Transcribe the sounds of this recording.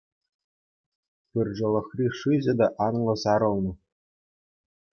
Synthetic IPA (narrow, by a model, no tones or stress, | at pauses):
pɯrʲʐɤ̆lʲˠɤ̆xrʲiʂɯʑʲɘ̆d̪ɑʔɑnlˠɤ̆sɑɾɤ̆lˠnɤ̆